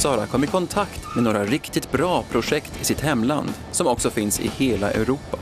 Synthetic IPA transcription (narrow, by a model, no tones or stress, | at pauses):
sɑːɾakʰɔmːəɾkʰɔnt̪ʰakt̪mɛnoːɾaɾɪkt̪ɪt̪bɾɑːpʰɾʊʂɛkt̪ʰɪsɪt̪hɛmːla̰nd̪ | sɔmɔksɔfɪnsɪ̰heːlaʔɛ̰ʉɾuːpa